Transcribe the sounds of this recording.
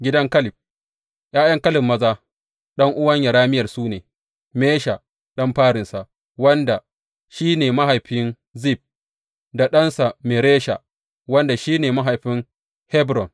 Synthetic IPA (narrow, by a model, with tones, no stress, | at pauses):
ɡʲɪ˦dɐ˦ŋkɐ˦lɪ˨ɸ̚ | jʔaː˦jɐ˦ŋkɐ˦lɪ˨pmːɐ˦zaː˦ | ɗɐ˦ŋʔʊ˦wɐ˦ɲjɐ˨ɾaː˦mɪ˦jɐ˨rsuː˦neː˨ | meː˦ʃa˨ | ɗɐ˦mɸaː˦ɾɪ˨nsa˨ | wɐ˦nda˨ | ʃiː˦neː˨ma˦ɦa˨jɸɪ˦n | zɪ˦˨b̚ | da˨ɗɐ˦nsa˨meː˨ɾeː˦ʃa̰˨ | wɐ˦nda˨ʃiː˦neː˨ma˦ɦa˨jɸɪ˦ŋ | hɛ˦bɾɔ˨n